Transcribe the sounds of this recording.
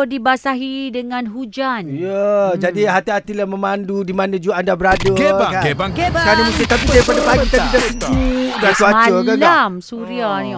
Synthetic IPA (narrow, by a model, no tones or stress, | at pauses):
dibasaɦidəŋãnɦud͡ʒanjəd͡ʒadiɦat̪iɦat̪ilahmə̃mandudimanãd͡ʒuaandabəɾadəakanamust̪it̪apisapadapaɡit̪apidasəd͡ʒidasuamtaolɡalamsuɾiani